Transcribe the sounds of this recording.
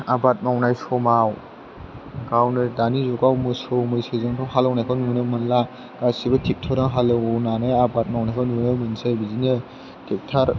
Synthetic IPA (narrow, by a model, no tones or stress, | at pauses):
abat̚mawnajsɔmaw | ɡawnɯdanizɔɡawmɯsɔwmɯjsezaŋtʰɔŋɦalawnajkʰawnunɯmɯnla | ɡasibatʰik̚tʰaɾaŋɦalɯwɔwnanɯabat̚mawnajkʰawnunɯmɯnsabizinɯ | tʰik̚tʰaɾ